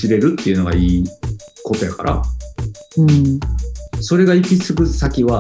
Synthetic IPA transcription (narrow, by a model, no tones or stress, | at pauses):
iɾe̞ɾɯ̟t̪ːe̞iɯ̟no̞ɡa̰iːko̞t̪o̞jaka̰ɾʔa̰ | ɯ̃ɴ | so̞ɾe̞ɡaikʲisɨɡɯ̟sakʲiβa